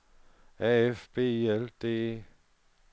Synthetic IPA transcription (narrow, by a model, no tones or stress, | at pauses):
ɛɛfb̥eːiɛld̪eː